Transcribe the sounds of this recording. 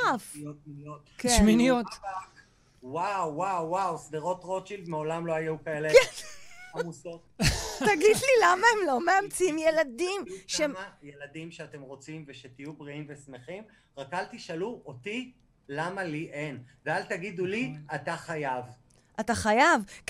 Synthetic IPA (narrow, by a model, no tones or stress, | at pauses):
fotminiot̪keʃminijot̪ak | wawːawːawsdeʁo̞tʁo̞t͡ʃildmeo̞lamlo̞ajukaele | amuso | taɡid̪lilamaemlo̞meamt͡simjeladimʃeajeladimʃeate̞mʁo̞t͡simveʃet̪ijubʁiimve̞sme̞χim | ʁakaltiʃaluʔoti | lamaliʔenvealtaɡid̪uliataχajav | ʔat̪aχajav